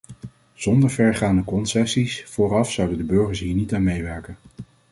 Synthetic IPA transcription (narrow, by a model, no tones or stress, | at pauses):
z̥ɔndəɹvɛɹχaːndəkɔnsɛsisfʊːrɑfsʌwdəndəbøɹχəɹsɦiːɹnitaːnmejʋɛɹkən